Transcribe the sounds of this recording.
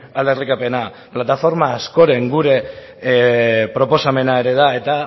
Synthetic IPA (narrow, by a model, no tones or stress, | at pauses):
ale̞rikape̞na | plat̪afo̞ɾmaːsko̞ɾe̞ŋɡuɾe̞ | pɾo̞po̞same̞nae̞ɾe̞ð̞ae̞t̪a